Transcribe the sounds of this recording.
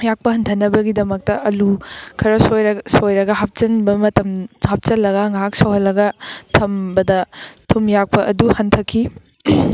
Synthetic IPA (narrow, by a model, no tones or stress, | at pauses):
jak̚pɐɦɐntʰɐnːɐbɐɡidɐmɐk̚tɐʔɐlukʰɐɾɐsojsojɾɐɡɐɦap̚t͡ʃɐnbɐmɐtɐmhap̚t͡ʃɐlːɐɡɐŋaɦak̚sɐwɦɐlːɐɡɐtʰɐmbɐdɐtʰumjak̚pɐʔɐduhɐntʰɐkʰi